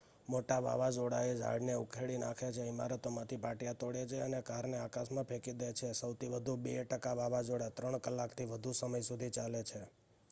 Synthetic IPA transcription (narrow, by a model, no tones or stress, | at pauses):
moʈaʋa̰ʋad͡ʒoɽa̰ed͡ʒa̰ɽneukʰeɭina̰kʰet͡ʃʰeima̰ɾət̪omãt̪ʰipaʈijat̪oɽet͡ʃʰeənekaɾneakasmãpʰekid̪et͡ʃʰesəwt̪ʰiʋəd̪ʱubeʈəkaʋaʋad͡ʒoɽat̪ɾəɳkəlːakt̪ʰiʋəd̪ʱusəməjsud̪ʱit͡ʃalet͡ʃʰe